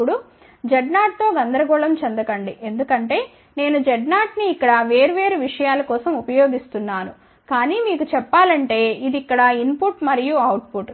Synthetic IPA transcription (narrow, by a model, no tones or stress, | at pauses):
uɽu | d͡ʒɛɖnaːʈ̚t̪o̞ːɡɐnd̪ɐɾɐɡɔːɭɐmt͡ʃɐnd̪ɐkɐɳɖiʔe̞nd̪ukɐɳʈe̞ː | ne̞ːnud͡ʒɛɖnaːʈniːkːɐɽɐʋe̞ːɾuʋe̞ːɾuʋiʂɐjaːlɐkɔːsɐmupɐjo̞ːɡist̪unːaːnu | kaːniːmiːkut͡ʃɛpːaːlɐɳʈe̞ːid̪ikːɐɽɐinpuʈmɐɾijuɐwʈ̚puʈ